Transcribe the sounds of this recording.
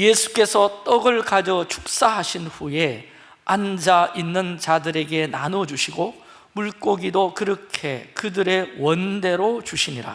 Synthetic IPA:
jesʰu̥k͈e̞sʰʌt͈ʌɡɯɭkad͡ʑʌt͡ɕʰu̥k̚s͈aɦaɕʰinɸuje̞ | and͡ʑaʔinːɯnt͡ɕadɯɾe̞ɡe̞nanʌd͡ʑuɕʰiɡo | muɭk͈oɡidokɯɾʌkʰe̞kɯdɯɾe̞wʌnde̞ɾot͡ɕuɕʰiɲiɾa̰

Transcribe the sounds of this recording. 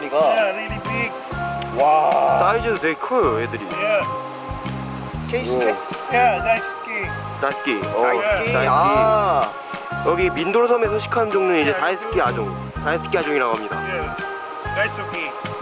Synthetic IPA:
ik͈aeinipʰik̚ | wasaid͡ʑɯnsʰekʰɯjojedɯɾḭje | kʰei | jetajsk͈i | taisʰɯ̥k͈iʌtaski | jʌɡimindoɾsʰʌmesʰʌŋɕʰi̥kʰand͡ʑoŋnɯid͡ʑe̞taisʰɯ̥k͈iad͡ʑoŋ | taisʰɯ̥k͈iad͡ʑoŋiɾaɡuɦamɲida̰je | taski

